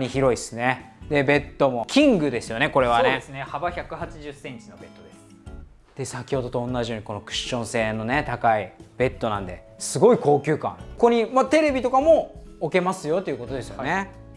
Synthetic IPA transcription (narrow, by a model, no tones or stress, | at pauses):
ɲiçiɾo̞isɨne̞ | d̪e̞be̞t̪ːo̞mo̞kʲĩŋɡɯ̟d̪e̞sɨjo̞ne̞ko̞ɾe̞βaneesɨnehabaçʲakɯ̟hat͡ɕiʑɨsːẽ̞ɲt͡ɕinobe̞t̪ːo̞d̪esɨ̥ | d̪̥e̞sakʲiho̞d̪o̞t̪õ̞ːnːaʑijo̞ːɲ̟iko̞no̞kɯ̟̥ɕːõ̞ɰ̃se̞ːno̞ne̞t̪akaib̥e̞t̪ːo̞nã̰nd̪e̞̰ | sɨɡo̞iko̞ːkʲɨːkã̰ŋko̞ɲ̟imat̪e̞ɾe̞bʲit̪o̞kamo̞ː | ke̞masɨjo̞t̪ːeiɯ̟ko̞t̪o̞d̪e̞sɨjone